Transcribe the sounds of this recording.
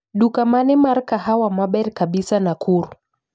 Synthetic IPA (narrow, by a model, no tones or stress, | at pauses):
ɗukamanɛmaɾkahawamaɓɛɾkaɓisanakʰuɾu